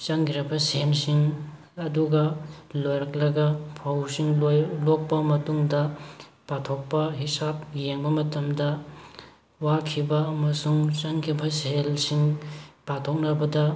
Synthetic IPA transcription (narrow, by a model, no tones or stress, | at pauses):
t͡ʃɐŋɡiɾɐbɐselsiŋ | ɐduɡɐlojɾɐk̚lɐɡɐpʰɐwsiŋlok̚pɐmɐtuŋdɐ | patʰok̚pɐɦisap̚jeŋbɐmɐtɐmdɐ | wakʰibɐːmɐsuŋt͡ʃɐŋkʰibɐselsiŋpatʰok̚nɐbɐdɐ